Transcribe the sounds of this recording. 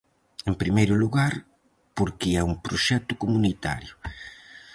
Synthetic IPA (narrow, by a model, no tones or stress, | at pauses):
empɾimejɾʊluɣaɾ | poɾkɪɛumpɾoʃɛt̪ʊkomunit̪a̰ɾjʊ